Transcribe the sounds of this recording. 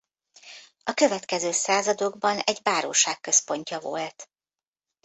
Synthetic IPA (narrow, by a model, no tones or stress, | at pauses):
ɒkøvɛt̪kɛzøːsaːzɒd̪o̞ɡbɒnɛɟbaːɾoːʃaːkːø̞spo̞ɲcɒvo̰lt̪